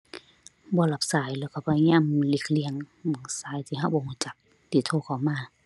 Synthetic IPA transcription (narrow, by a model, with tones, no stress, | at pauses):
bɔː˧˦la˧˦p̚saː˨˦jlɛː˧˩wkʰa˧˩baː˧ɲaː˧˥˨mli˧˩k̚li˧˨əŋ | mɯ˨˩˦ŋsaː˨˦jt̪ʰiː˧˦ɦa˧˩p̚bɔː˧˦huː˧˩˨t͡ɕa˨˧˦k̚ | t̪ʰiː˧˩˦t̪ʰoː˧˩˨kʰa˨˩wmaː˧˩˨